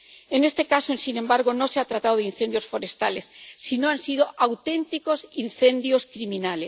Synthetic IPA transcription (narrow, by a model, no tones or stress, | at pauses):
enest̪e̞kasoensinembaɾɣ̞ono̞seat̪ɾat̪awðin̟θend̪jo̞sfo̞ɾe̞st̪alesːinoansið̞oʔawt̪ẽ̞nt̪iko̞sinθẽ̞nd̪joskɾimĩnale